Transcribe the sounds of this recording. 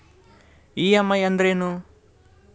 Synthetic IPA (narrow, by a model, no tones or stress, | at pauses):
iːɐmːɐjɐnd̪ɾeːnu